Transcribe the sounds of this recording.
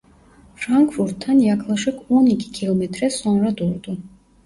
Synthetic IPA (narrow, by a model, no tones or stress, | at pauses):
fɾaŋkʰfuɾt̪ʰːanjakʰlˠaʃɛkʰɔnikikʰilˠɔmɛt̪ʰʼɾɛsɔnɾad̪uɾd̪ʼu